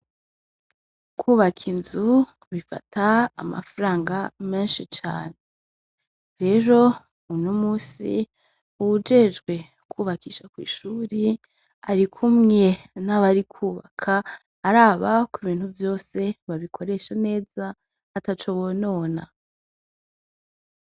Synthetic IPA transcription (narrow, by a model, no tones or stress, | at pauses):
kʰuːβakʰinzu | βifa̰tʰaːma̰faɾaːŋɡameːnʃit͡ʃa̰ːne̞ | ɾe̞ɾo̞ | unomuːsḭ | uud͡ʒe̞d͡ʒɡwe̞ | kʰuːβakʰiːʃakwḭːʃuːɾi | aɾikʰumŋe̞naβaɾikʰuːβa̰kʰaː | ɾaːβakuβiːnhuvjo̞ːse̞βaβikʰo̞ɾe̞ʃane̞ːza | atat͡ʃoβono̞ːna